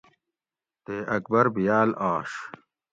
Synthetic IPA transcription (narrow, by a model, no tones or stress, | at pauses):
t̪eːʔɐk̚bɐɾbijaːlaːʂ